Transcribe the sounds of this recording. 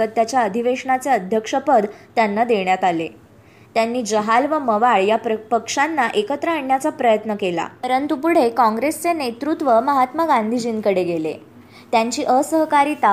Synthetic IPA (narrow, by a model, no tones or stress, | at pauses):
ət̪ːjat͡ɕjaəd̪ʱiʋeʂɳat͡seəd̪ʱjəkʂəpəd̪t̪janːad̪eɳjat̪ale | t̪janːiːd͡ʑəɦalʋəməʋaɭjapəkʂanːaʔekət̪ɾəaɳːjat͡sapɾəjət̪nəkela̰əɾənt̪upuɽ̤ekɔ̃ŋɡɾest͡senet̪ɾut̪ʋəməɦat̪məɡand̪ʱid͡ʑiːnkəɽeɡelḛ | t̪jaɲt͡ɕiːʔəsəɦkaɾiːt̪a